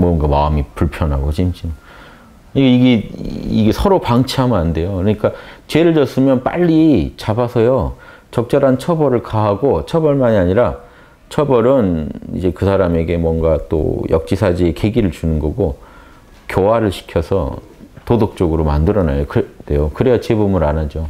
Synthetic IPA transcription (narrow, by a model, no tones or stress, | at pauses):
mwʌŋɡamaɯmipuɭpʰjʌnɦaɡot͡ɕimt͡ɕim | kɯɲikaiɡeiɡe̞sʰʌɾopaŋt͡ɕʰiɦamɯnande̞jokɯɾʌɲik͈at͡ɕeɾɯɭd͡ʑʌs͈ɯmjʌnp͈a̰ʎːit͡ɕabasʰʌjo | t͡ɕʌk̚t͡ɕ͈ʌɾant͡ɕʰʌbʌɾɯɭkaɦaɡot͡ɕʰʌbʌɭmaɲiaɲiɾa | t͡ɕʰʌbʌɾɯnḭd͡ʑe̞kɯsʰaɾame̞ɡe̞mwʌnɡat͈o̰jʌk̚t͡ɕ͈isʰad͡ʑie̞ke̞ɡiɾɯɭt͡ɕunɯnɡʌɡo | kjowaɾɯɭɕʰi̥kʰjʌsʰʌ̰ | todok̚t͡ɕ͈ʌɡɯɾomandɯɾʌnajokde̞jokɯɾejat͡ɕebumunanad͡ʑo